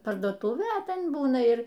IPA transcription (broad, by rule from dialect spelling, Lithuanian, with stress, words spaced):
pɐrduɔˈtuːʋʲeː ɐ ˈtʲɛn ˈbuːnɐ ˈɪr